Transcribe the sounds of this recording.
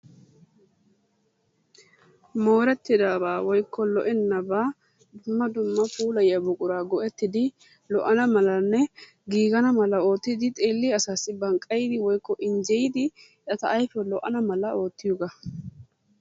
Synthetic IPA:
moːɾɛt̪ːɪd̪aːbaːwɔjkʰːɔlɔʔɛnːɐbaː | d̪ʊmːɐd̪ʊmːɐfuːlɐjɐbʊkʼʊɾaːɡɔʔɛt̪ːɪd̪ɪ | lɔʔɐnɐmɐlɐnːɛ | ɡiːɡɐnɐmɐlɐo̞ːt̪ːɪd̪ɪt̪ʼe̞ːlːiɐsaːsːɪbɐŋkʼːɐjd̪ɪwɔjkːɔʔɪnd͡ʒɛjɪd̪ɪ | ᶑɐt̪ɐʔːjfɛlɔʔɐ̰nɐmɐlɐo̞ːt̪ːɪjʊɡɐ

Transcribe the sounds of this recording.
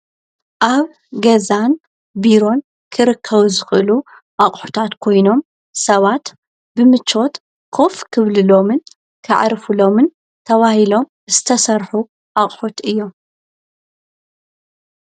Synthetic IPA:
ʔaβ | ɡɐzan | biɾo̞n | kʰɨɾɨkʰːɐβzɨxʔɨlu | ʔaχʼħu̥t̪ʰat̪kʰo̞jno̞m | sɐβat̪ | bɨmɨt͡ʃo̞t̪ | kʰo̞fkʰɨβlɨlo̞mɨn | kʰɨ̰ʕ̰ɾfulo̞mɨn | t̪ʰɐβahilo̞m | z̥ɨt̪ʰɐsɐɾħu | ʔaχʼħot̪ɨjːo̞m

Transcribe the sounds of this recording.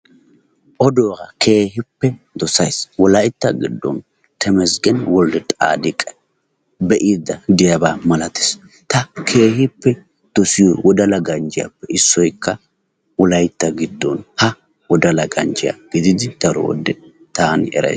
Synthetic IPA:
ʔɔd̪oːɡɐkʰe̞ːɦɪpːɛ | d̪ɔsɐjswɔlɐjt̪ːɐɡɪd̪ːɔ̰n | t̪ʰɛmɛsɡɛnwɔld̪ɛt̪ʼa̰ːd̪ɪkʼɛ̥ | bɛʔiːd̪ːɐd̪ɪjɐbaːmɐlɐt̪ɪ̥s | t̪ɐkʰeːhɪpːɛ | d̪̥ɔsɪjɔwɔd̪ɐlɐɡɐnd͡ʒɪja̰pːɛɪsːɔjkːɐ | wɔlɐjt̪ːɐɡɪd̪ːɔnhɐ | wɔd̪ɐlɐɡɐnd͡ʒɪja̰ɡ̥ɪd̪ɪd̪ɪd̪̥ɐɾɔ̰wɔ̰d̪ːɛ | t̪aːnɛ̰ɾɐ̰js

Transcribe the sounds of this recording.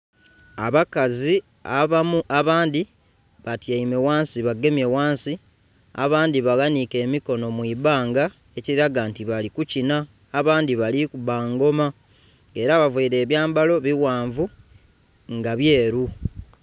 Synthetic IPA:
aβakazi | aaaβaːndi | βatjaimewaːnsiβaɡːe̞mje̞waːnsi | a̰βaːndiβaɣanike̞ːmiko̞no̞mwiβaːŋɡa | e̞ciɾiɾaɡaːntiβalikucinaː | βaːndiβalikuβaːŋɡo̞ma | e̞ɾaβavuːɾe̞ːβjaːmbalo̞βiwaːɱvu | ŋɡaβje̞ːɾu

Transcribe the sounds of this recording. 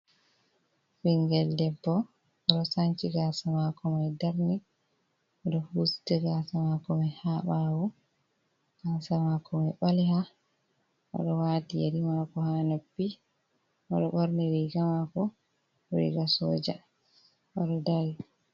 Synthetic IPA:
fiŋɡɛldɛbːɔ | ɔɗɔsaɲt͡ʃiɡasamakɔmajdaɾni | ʔɔɗɔfuːsi̥tɛɡasamakɔmɛhaɓawɔ | ɡ̥asamakɔmɛjɓaliha | ʔɔ̰ɗɔwaːtijḛdimakɔhanepːi | ʔɔ̰ɗɔɓoɾniɾiɡamakɔ | ɾḭɡasɔ̰d͡ʒa | ʔɔɗɔdaɾi

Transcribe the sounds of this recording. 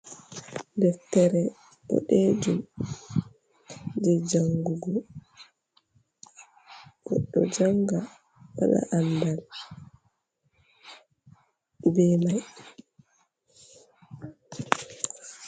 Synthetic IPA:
dɛftːɛɾɛ | ɗɔ̰ɗɛːd͡ʒum | d͡ʒɛd͡ʒaŋɡuɡɔ | ɡ̥ɔɗːɔd͡ʒaŋɡa | wa̰ɗa̰ʔandal | bɛmaj

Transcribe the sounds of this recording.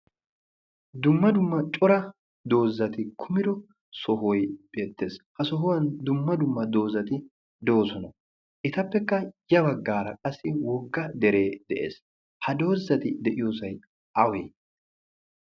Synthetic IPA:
d̪ʊmːɐd̪ʊmːɐt͡ʃʼɔɾɐ | d̪o̞ːzːɐt̪ɪkʰʊmɪd̪ɔ | sɔɦɔjb̥e̞ːt̪ːe̞ːshɐsɔɦɔwɐnd̪ʊmːɐd̪ʊmːɐd̪o̞ːzːɐt̪ɪ | d̪o̞ːsɔnɐ | ʔɪt̪ɐpːɛkːɐjɐbɐɡːaːɾɐ̰kʼɐsːɪwɔɡːɐd̪ɛɾe̞ːd̪ɛʔḛːs | hɐd̪o̞ːzːɐt̪ɪd̪ɛʔɪjo̞ːsɐj | ɐwḛː

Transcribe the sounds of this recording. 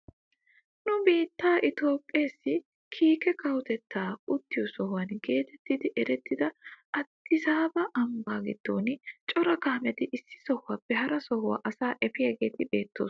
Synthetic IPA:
nʊbiːt̪ːaːʔɪt̪o̞ːpʼːeːsːɪ | kʰiːkɛkɐwt̪ɛt̪ːaːʊt̪ːɪjɔsɔɦʊwɐnɡe̞ːt̪ɛt̪ːɪd̪ɪʔɛɾɛt̪ːɪd̪ɐʔɐt̪ːɪsaːbɐʔɐmbaːɡɪd̪̥ːo̞ːnɪt͡ʃʼɔɾɐkaːmɛt̪ɪʔɪsːɪ̥sɔhʊwaːpːɛhɐɾɐsɔhʊwa̰ːʔɐsaːʔɛfɪjɐɡe̞ːt̪ɪbe̞ːt̪ːo̞̰ːs

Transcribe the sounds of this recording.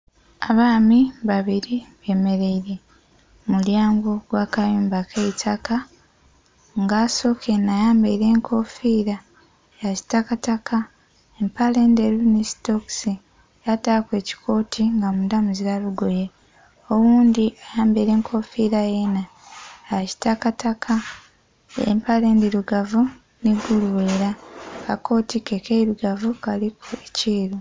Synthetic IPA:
aβaːmiβaβiɾiβe̞ːme̞ɾe̞iɾe̞ | muljaːŋɡoɡwaːkajuːmbakʰeitʰaka | ŋɡaso̞kʰenajaːmbeiɾe̞ːŋkʰo̞fiːɾa | jazi̥takatakʰa | empalendeɾunisto̞ksi | jatakwe̞ːci̥kʰo̞ːtʰiŋɡamudamuziɾaluɡo̞je | o̞wuːnd̪iajaːmbeiɾe̞ːŋkʰo̞fiːɾajena | aʃi̥takatakʰa | ḛmpale̞ːndiɾuɡavu | niɡuluweːɾakako̞ːtikekeiɾuɡavukalikʰueciːɾu

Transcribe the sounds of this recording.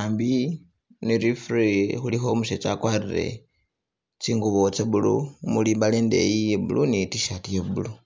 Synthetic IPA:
aːmbi | niɾifɾixulixomuset͡sakwarire̞̰ | t͡siːŋɡuβot͡seβulṵmuliːmbaleːndḛjijeβṵlunitiʃatijeβulu

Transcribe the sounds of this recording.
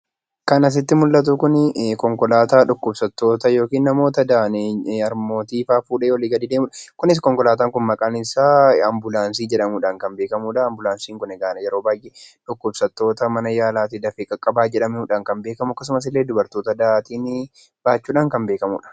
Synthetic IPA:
kɐnɐs̬ɪt̪ːɪmʊlːɐt̪̬ʊkʊnkɔŋkɔlaːt̪aːᶑʊkːʊbsɐt̪ːo̞ːt̪ɐjo̞ːkiːnːɐmo̞ːt̪ɐd̪aːneɐɾmo̞ːt̪iːfaːfuːᶑeːwɔliːɡɐd̪iːd̪eːmʊᶑɐkʊnɪs̬kɔŋkɔlaːt̪̬aːŋkʊnmɐkʼaːnɪsaːɐmbʊlaːns̬iːd͡ʒɛᶑɐmuːᶑaːŋkɐmbeːkɐmuːᶑɐːmbʊlaːnsiːŋkʊnɛɡaːnɐjɛɾo̞ːbaːjʔeᶑʊkːʊbsɐt̪ːo̞ːt̪ɐmɐnɐjaːlaːt̪ɪd̪ɐfɪkʼɐkʼːɐbaːd͡ʒɛᶑɐmuːᶑaːŋkɐmbe̞ːkɐmʊɐkːɐs̬ʊmɐs̬ɪlːe̞ːd̪ʊbɐɾt̪o̞ːt̪ɐd̪aːt̪iːn | b̥aːt͡ʃːuːᶑaːŋkɐmbe̞ːkɐmṵːᶑɐ̥

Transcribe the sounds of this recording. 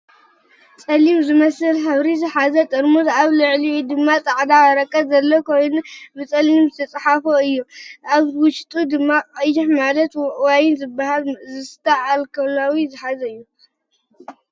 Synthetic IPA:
t͡sʼɐlimzɨmɐsɨlħɐβɾizɨħazɐt̪ʼɨɾmut̪aβlɨʕliwud̪ɨmːat͡sʼaʕd̪aɐɾɐkʼːɐbzɐlːokʰo̞jnubɨt͡sʼɐlimzɨt̪ʰɐt͡sʼħafoɨjːuʔaβwʊʃt̪ʼud̪ɨmːaqʼɐjɪħmalɐt̪wajnzɨbːahalzɨst̪ʰɐʕalkʰɐlawizɨħazɐɨjːu

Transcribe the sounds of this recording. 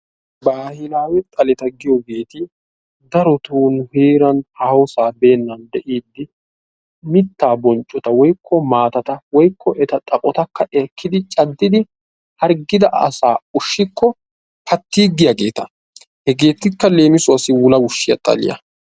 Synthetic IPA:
baːhɪlaːwɛt̪ʼɐlɛt̪ɐɡɪjɔɡe̞ːt̪ɪ | d̪ɐɾɔt̪uːnʊheːɾɐnhahosaːbe̞ːnːɐnd̪ɛʔiːd̪ːɪ | mɪt̪ːaːbɔnt͡ʃʼːɔt̪ɐwɔjkːɔmaːt̪ɐt̪ɐwɔjkʰːɔʔɛt̪ɐt̪ʼɐkʼɔt̪ɐkːɐʔɛkʰːɪd̪ɪt͡ʃʼɐd̪ːɪd̪ɪ | hɐɾɡɪd̪ɐʔɐ̰saːʊʃːɪkːɔ | pʰɐt̪ːiːɡɪjɐɡe̞ːt̪ɐ | hɛɡe̞ːt̪ːɪkːɐle̞ːmɪsʊɐsːɪwʊlɐwʊʃːɪjɐ̰t̪ʼɐ̰lɪ̰jɐ̰

